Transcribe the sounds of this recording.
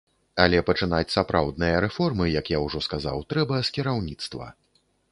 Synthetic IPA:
alʲɛpɐt͡ʂɨnat͡sʲsapɾawd̪nɨjɐɾɛfɔrmɨjɐkjawʐɔskaza̰wt̪ɾɛbɐskʲiɾawnʲit̪st̪vɐ̰

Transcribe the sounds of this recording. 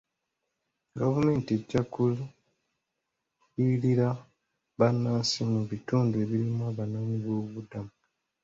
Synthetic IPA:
ɡavume̞ːntieɟakul | iliɾa | βanːaːsimuβituːnde̞ːβiɾimwaβanoːɲiβwo̞ːβudamu

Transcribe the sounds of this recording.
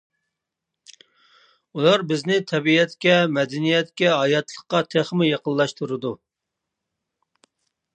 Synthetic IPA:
ulˠɑɾbɪznɪt̪ʰɛbiɛt̪kʲɛmɛd̪ɛnijɛt̪kʲɛɦɑjɑt̪lˠəqqːɑt̪ʰeχmɪjɑqəlˠlːˠɑʃt̪ʰuɾɨd̪u

